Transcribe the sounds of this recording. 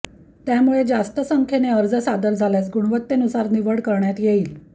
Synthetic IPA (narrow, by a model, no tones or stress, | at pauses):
t̪jamuɭed͡zast̪əsəŋkʰeneəɾd͡zəsad̪əɾd͡zʱaljat͡sɡuɳʋət̪ːenusaɾniʋəɽkəɾɳjat̪jeiːl